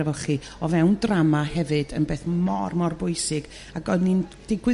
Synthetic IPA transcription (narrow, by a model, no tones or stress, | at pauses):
vɔlχi | ɔvɛwndramahɛvɨdə̰nbeːθmɔrmɔrbʊɨsɨɡ̥ | aɡɔnind̥ɪɡwɨ